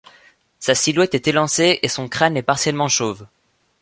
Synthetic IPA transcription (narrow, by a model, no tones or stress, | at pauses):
sasilwɛt̪ɛt̪elɑ̃seʔesɔ̃kχanɛpaʁsjɛlmɑ̃ʃov